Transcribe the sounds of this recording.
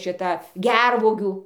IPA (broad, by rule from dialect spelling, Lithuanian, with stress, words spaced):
ʃʲɪˈtɐ ˈɡʲɛrʋuɔɡʲuː